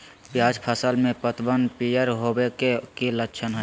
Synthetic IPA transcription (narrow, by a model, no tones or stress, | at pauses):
pjaːd͡ʒpʰəsəlmẽpət̪bənpijəɾɦobekekiləkːʃʰənɦɛ